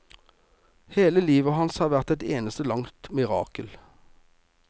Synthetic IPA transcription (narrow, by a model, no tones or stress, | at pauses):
heːləliːʋəhɑnshɑːʁʋæʁt̪ɛt̪eːnəst̪əlɑŋt̪mɪʁɑ̰ːkəl